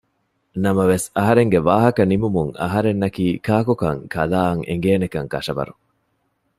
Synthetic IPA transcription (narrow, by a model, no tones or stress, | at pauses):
nɐmɐʋesɐɦɐɾeŋɡeʋaːɦɐkɐnimumuŋɐ̰ɦɐɾenːɐkiːkaːkukɐŋkʰɐlaːɐŋʔḛŋɡeːnekɐŋkɐ̰ʂɐbɐ̰ɾuŋ